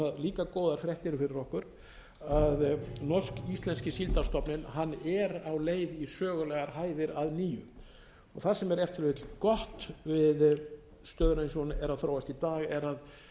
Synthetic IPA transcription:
aðliːkakoːwðaɾ̥fɾjɛht̪ɪɾɪfɪɾɪɾɔhkʏɾ | aðnɔrskist̪lɛnscɪsilt̪ast̪ɔpnɪnɦanːɛɾawleːjðisœːɣʏlɛɣaɾhaːjðɪɾaðniːʏ | ɔɣθaðsɛmɛɾɛft̪ɪɾvet̪lkɔht̪vɪð | st̪œːðʏɾejnsɔwnʔɛɾaðθɾowast̪it̪aːɣɛɾað

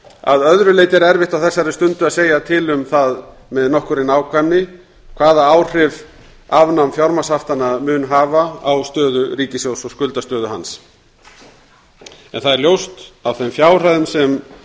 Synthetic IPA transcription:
a̰ðœðɾʏleːjt̪ɪɾɛɾvɪht̪awθɛsːaɾɪst̪ʏnt̪ʏaðseːjat̪ʰɪlʏmθað | mɛðnɔhkʏɾɪnaːwkʰvanːɪ | kʰvaːðaawr̥ɪv | avnamfjawɾmasaft̪anaðmʏnɦaːvaawst̪œːðʏɾiːcɪsjowsɔskʏlt̪ast̪œːðʏɦa̰ns | ɛ̰nθaðɛɾljowst̪awθɛmfjaːwr̥aðʏmsɛm

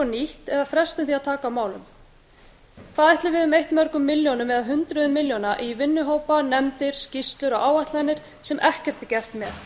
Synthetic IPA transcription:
ɔniht̪ɛðafɾɛst̪ʏmθiaðt̪ʰaːkawmaːwlʏ̰m | kθaːðɛht̪lɪvɪðʏmejht̪mœɾkʏmːɪljownʏmːɛðaðɦʏnt̪ɾʏðʏmɪljownaʔivɪnːʏɦoːwpanɛmt̪ɪɾ̥scist̪lʏɾɔɣaːwaht̪lanːɪɾ̥ | sɛmʔɛhcɛ̥t̪ɛcɛr̥t̪mjɛð

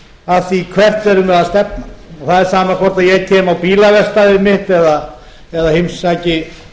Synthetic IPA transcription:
aft̪ikʰvɛr̥t̪ɛɾʏmɛðast̪ɛpnaɔθaðɛɾ̥saːmakʰvɔɾ̥t̪aðjɛɣcʰɛːmawpiːlavɛr̥st̪aðɪmɪht̪ɛða | ɛðahɪmsaːcɪ

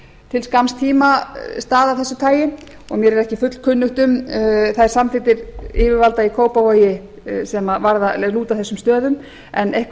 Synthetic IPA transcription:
t̪ʰɪlskamst̪ʰiːmast̪aːðawθɛsːʏt̪ʰaːjɪ | ɔɣmjɛɾɛɾɛhcɪfʏt̪l̥kʰʏnːʏht̪ʏmθajɾ̥samfɪt̪ɪɾɪvɪɾvalt̪aikʰoːwpavoːjɪ | sɛmavaɾðalɛɣluːt̪aθɛsːʏmst̪œːðʏm | ɛnejhk

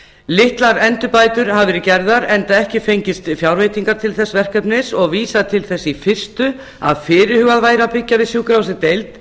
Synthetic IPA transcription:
lɪht̪laɾɛnt̪ʏpaːjt̪ʏɾ̥havvɛːɾɪcɛɾðaɾɛnt̪aɛhcɪfejɲcɪst̪fjawɾveːjt̪iŋkaɾt̪ʰɪlθɛsvɛr̥kœpnɪsɔɣviːsat̪ʰɪlθɛsːifɪr̥st̪ʏ | a̰ðfɪːɾɪɾhʏːɣaðvaːjɾapɪcːavɪsjuːkɾawsɪt̪ejlt̪

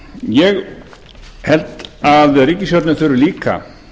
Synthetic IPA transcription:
jɛɣ | hɛlt̪aðriːcɪsjɔɾt̪nɪθʏɾʏɾliːka̰

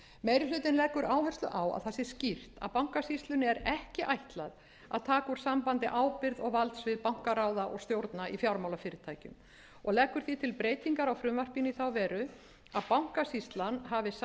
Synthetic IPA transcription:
meːjɾɪlʏːt̪ɪnlɛkːʏɾaːwvɛr̥st̪lʏ̰ʔaːwa̰ðθɛsɪscir̥t̪a̰ðpawŋ̥kasist̪lʏnɪɛɾɛhcɪʔajht̪lað | a̰ðt̪ʰaːkʏɾ̥sampant̪ɪʔaːwpɪɾðɔɣvalt̪svɪðpawŋ̥kaɾaːwðaʔɔ̰ɣst̪jowɾt̪naʔifjawɾmawlafɪːɾɪt̪ʰaːjcʏ̰m | ɔɣlɛkːʏɾ̥θit̪ʰɪlpɾeːjt̪iŋkaɾawfɾʏmvar̥piniθawvɛːɾʏ | aðpawŋ̥kasist̪lanɦavɪs

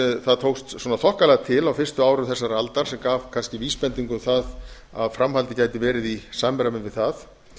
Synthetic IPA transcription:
θaðt̪ʰowkst̪sɔnaθɔhkalɛɣat̪ʰɪlawfɪr̥st̪ʏaːwɾʏθɛsːaɾalt̪aɾ̥sɛmkaːvkʰanscɪviːspɛnt̪iŋkʏθað | a̰ðfɾamɦhalt̪ɪcajt̪ɪvɛːɾɪðisaːmɛɾamɪnvɪðθað

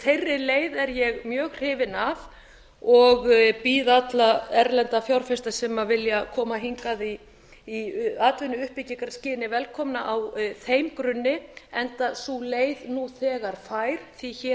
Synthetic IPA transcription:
t̪ʰejrːɪleːjðɛɾjɛɣmjœːɣ̥r̥ɪːvɪnav | ɔɣpiːðat̪laɛɾlɛnt̪afjawɾ̥fɛst̪asɛmavɪljakʰɔːmaɦiŋkaðiː | aːt̪vʏnːʏʏhpɪciŋkaɾscɪːnɪvɛlkʰɔmnaʔawθeːjmkɾʏnːɪɛnt̪asuleːjðnuθɛːɣaɾ̥faːjɾ̥θiçɛː

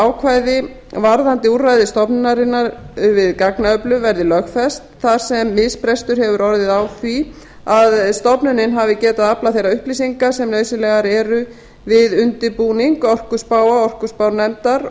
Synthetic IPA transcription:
awkʰvaːjðɪ | vaɾðant̪ɪuɾrajðɪst̪ɔpnʏnaɾɪnːaɾvɪðkaknaœplʏvɛɾðɪlœxfɛst̪θaɾ̥sɛmːɪðspɾɛst̪ʏɾ̥hɛvʏɾɔɾðɪðawθi | aðst̪ɔpnʏnɪnɦavɪcɛːt̪aðaplaθejɾaʏhplisiŋkasɛmlœːɥsʏlɛːɣaɾɛːɾʏ | vɪðʏnt̪ɪpuːniŋkɔr̥kʏ̥spaːwaɔr̥kʏspawnɛmt̪aɾ

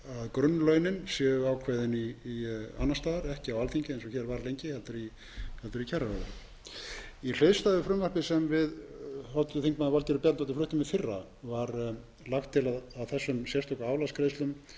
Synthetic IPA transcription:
aðkɾʏnːlœɥnɪnsjɛːʏawkʰvaːjðɪniː | anːast̪aːaɾɛhcɪawalθiɲcɪejnsɔçɛɾvaɾlejɲcɪhɛlt̪ʏɾi | hɛlt̪ʏɾicʰɛraɾɔɾ | il̥eɥðst̪aðʏfɾʏmvar̥pɪsɛmvɪðhawt̪ʏθiŋk̚maðɪvalt̪ɛɾʏpjɛt̪nawt̪ɪflʏht̪ʏmvɪðfɪrːa | vaɾ | laxt̪ʰːɪlaðawθɛsːʏmsjɛrst̪ɔkaaːwlaskɾejst̪ʏm

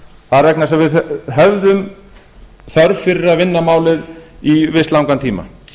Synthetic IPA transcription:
θaðɾvɛknasɛmvɪðɦɛvðʏm | θœɾfɪɾɪɾaðvɪnːamaːwlɪðivɪst̪lawŋkant̪ʰiːma̰

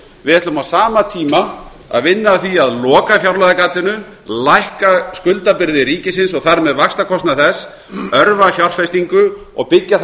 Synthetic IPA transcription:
vɪðɛht̪lʏmawsaːmat̪ʰiːma | a̰ðvɪnːaθiaðlɔːkafjawɾlajðakaːt̪ɪnʏ | lajhkaskʏlt̪apɪɾðɪɾiːcɪs̬ɪnsɔɣθaɾmɛðvakst̪akʰɔst̪naθɛs | œɾvafjawr̥fɛst̪iŋkʏɔ̰ɣpɪcːaθ

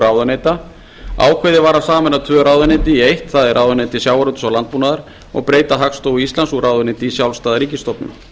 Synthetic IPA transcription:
ɾaːwðanejt̪a | a̰ːwkʰeðɪvaːɾasaːmɛnat̪ʰvœːɾaːwðanet̪ɪiejht̪θaðɪɾʔaːwðanet̪ɪsjawaɾʏt̪ʏ̥sawlant̪̚pmuːnaðaɾ̥ | ɔ̰ɣpɾeːjt̪aɦakst̪oːwiist̪lansuɾaːwðaneːt̪ɪisjawlst̪aːðaɾiːcɪst̪ɔpnʏ̰m

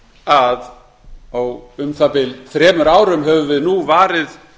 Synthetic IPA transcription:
að | awʏmθapɪlθɾɛːmʏɾaːwɾʏmɦɛvʏvɪðnuvaːɾɪð

